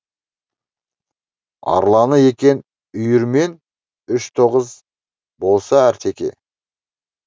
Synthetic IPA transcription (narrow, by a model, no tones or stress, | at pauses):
ɑ̰ɾlˠɑnəe̞kʲe̞n | ʏjʏɾme̞n | ʏʃt̪ʰo̞ʁəz | bo̞lˠsɑæɾt̪ʰe̞kʲe̞̰